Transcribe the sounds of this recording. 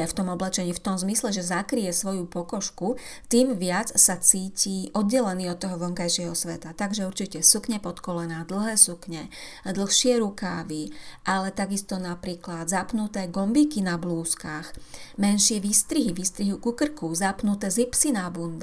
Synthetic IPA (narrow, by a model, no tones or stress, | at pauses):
ɛft̪ɔmɔblɛt͡ʃɛɲiːft̪ɔmzmislɛʒɛzakɾijɛsʋɔjupɔkɔʃkut̪iːmʋɪat͡ssat͡siːciʔɔd̪̚ɟɛlɛniːɔt̪̚t̪ːɔɦɔʋɔŋkajʃɪɛɦɔsʋɛt̪at̪aɡʒɛuɾt͡ʃicɛsukɲɛpɔt̪kɔlɛnaːd̪l̩ˠɦɛːsukɲɛ | d̪l̩ˠxʃɪɛɾukaːʋiʔalɛt̪aɡist̪ɔnapɾiːklad̪zapnut̪ɛːɡɔmbiːkinabluːskaxmɛnʃɪɛʋist̪ɾiɦiʋist̪ɾiɦukukr̩kuzapnut̪ɛːzipsinabund̪